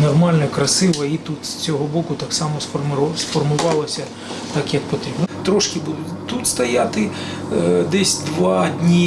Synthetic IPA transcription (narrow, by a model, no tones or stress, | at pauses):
nɔrmɑlʲnɐkɾɐsɪʋɐit̪ut̪st͡sʲɔɦɔbɔkʊt̪ɑksɑmɔsfmsfɔrmʊʋɑlˠɐsʲɐ | t̪ɑkjɐk̚pɔt̪ɾʲibnɔt̪ɾɔʃkɪbʊt̪ut̪st̪ɐjat̪ɪ | d̪ɛsʲd̪ʋɑd̪ʲnʲi